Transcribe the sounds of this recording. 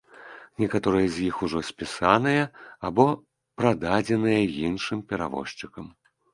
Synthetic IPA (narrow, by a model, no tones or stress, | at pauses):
nʲɛkat̪ɔɾɨjɐzʲjixuʐɔsʲpʲisanɨjɐabɔ | pɾad̪ad͡zʲɛnɨjɐjinʂɨmpʲɛɾa̰vɔ̰ʂt͡ʂɨkɐm